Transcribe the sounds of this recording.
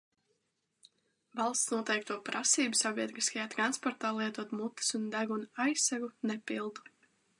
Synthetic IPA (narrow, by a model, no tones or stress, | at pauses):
vɑlˠst̪snuɔt̪ɛjk̚t̪uɔpɾasiːbusavʲiɛt̪ɾiskajaːt̪ɾanspɔɾt̪aːlˠiɛt̪uɔt̪mut̪ːi̥sund̪æɡunajsaɡunepilˠd̪u̥